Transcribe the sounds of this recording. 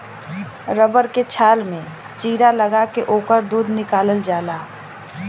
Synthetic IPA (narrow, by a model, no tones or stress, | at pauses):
ɾəbəɾket͡ʃʰaːlmẽst͡ʃiːɾaləɡakeʔoːkəɾd̪uːd̪nɪkaːləld͡ʒaːlaː